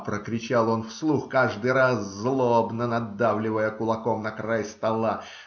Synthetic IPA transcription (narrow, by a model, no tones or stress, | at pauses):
pɾəkɾʲɪt͡ɕalˠo̞nfslˠuxkaʐd̪ɨjɾaszlˠobnənɐd̪ːavlʲɪvəjəkʊlˠɐkomnəkɾajst̪ɐlˠa